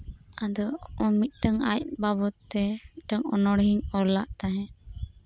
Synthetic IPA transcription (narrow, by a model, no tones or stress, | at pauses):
ad̪ɔɔmit̪̚ˀʈəŋa̰jc̚babɔt̪ːɛʈəŋɔ̰nɔɽɦiɲɔlaʔt̪aɦɛ̃